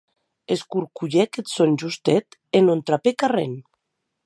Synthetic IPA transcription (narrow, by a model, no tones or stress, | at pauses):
eskuɾkuʎeket̪sonʒust̪et̪enont̪ɾapekarḛn